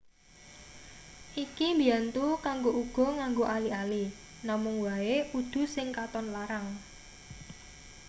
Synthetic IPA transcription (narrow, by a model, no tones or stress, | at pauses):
ʔikimbijant̪ukaŋɡoʔuɡ̥ɔ̤ŋaŋɡoʔaliali | namʊŋwaeʔud̪̥ṳsɪŋkat̪ɔnlaɾaŋ